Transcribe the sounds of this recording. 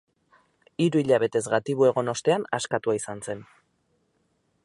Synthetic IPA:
iɾuiʎaβe̞t̪e̞zɣat̪iβue̞ɣ̞o̞no̞st̪e̞anaskat̪uaisanse̞n

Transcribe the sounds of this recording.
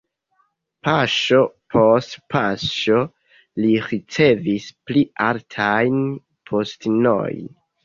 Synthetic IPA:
paʃo̞pʰo̞stpʰaʃo̞ | liɾit͡se̞visplialtʰajn | pʰo̞stno̰jn

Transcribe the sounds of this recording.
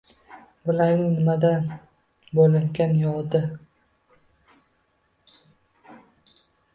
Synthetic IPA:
bʊlaɾnɪnɪmad̪an | bolɪŋɡʲanjɒlˠd̪ɪ

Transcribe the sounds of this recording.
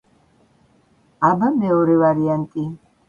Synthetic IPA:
abamɛɔɾɛvaɾiant̪ʼi

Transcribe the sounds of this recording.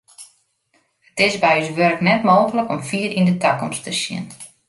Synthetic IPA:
ətɪsbɛjysʋørəknɛtmoːxələkɔmfiːɾindətakɔmstəsjɪ̰n

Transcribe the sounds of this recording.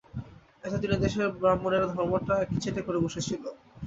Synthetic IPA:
ɛt̪ed̪inid̪eʃeɾbɾamːoneɾd̪ʱɔɾmoʈaɛk̚ʈit͡ɕʰeʈekoɾeboʃet͡ɕʰilo

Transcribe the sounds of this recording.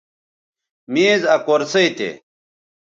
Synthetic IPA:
miːzɐkoɾsɐit̪ḛ

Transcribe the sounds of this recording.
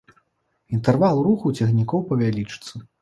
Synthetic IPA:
int̪ɛrvalˠruxɐwt͡sʲɛɣnʲikɔwpɐvʲalʲit͡ʂɨ̥t̪sɐ

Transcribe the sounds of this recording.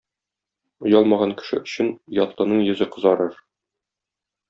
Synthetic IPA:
ŏjɑlˠmɑʁɑŋkɘ̥̆ʃɘ̰ɵ̆ɕɘnjɒt̪lˠɤ̆nɤɴjɵ̆zɘqɤ̆zɑɾɤɾ

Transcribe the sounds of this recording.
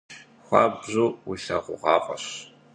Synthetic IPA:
xʷɑːbʑuːwiɬɐʁʷʊʁɑːqʼɐɕ

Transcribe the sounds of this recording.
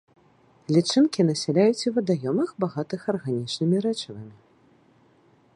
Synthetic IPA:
lʲit͡ʂɨnkʲin̪ɐsʲɛlʲajut͡sʲivɐd̪ajɔmɐxbaɣat̪ɨxɐrɣanʲit͡ʂnɨmʲiɾɛt͡ʂɐvɐmʲi

